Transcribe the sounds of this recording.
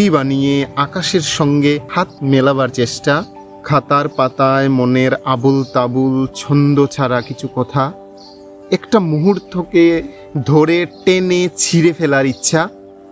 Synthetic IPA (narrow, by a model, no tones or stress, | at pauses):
ibanijeakaʃeɾʃɔŋɡehat̪̚melabaɾt͡ɕeʃʈa | kʰat̪aɾpat̪aemoneɾabult̪abult͡ɕʰɔnd̪ot͡ɕʰaɾakit͡ɕʰukɔt̪ʰa | ɛkʈamuɦuɾt̪ʰoke | d̪ʱoɾeʈenet͡ɕʰiɾefelaɾitːɕʰa